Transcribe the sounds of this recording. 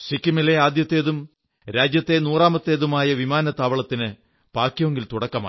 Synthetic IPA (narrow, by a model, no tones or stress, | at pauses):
sikʲːimileaːd̪jɐt̪ːe̞ːðum | ɾaːd͡ʑjɐt̪ːe̞nuːraːmɐt̪ːe̞ːðumaːjɐʋimaːnɐt̪aːʋɐɭɐt̪ːinɨ | paːkʲːjoŋɡilt̪uɽɐkːɐma̰ː